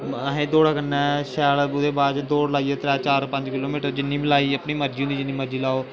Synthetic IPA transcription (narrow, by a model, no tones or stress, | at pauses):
ɦẽːd̪oːɽaːkənːɛ̃ːʃɛːlʊd̪eːbaːd͡ʒd̪oːɽlaːiːɛːt̪ɾɛːt͡ʃaːɾpə̃ɲd͡ʒkɪloːmiːʈəɾd͡ʒɪnːiːbɪlaːiːəpɳiːməɾd͡ʒiːõːd̪iːd͡ʒɪnːiːməɾd͡ʒiːlaːoː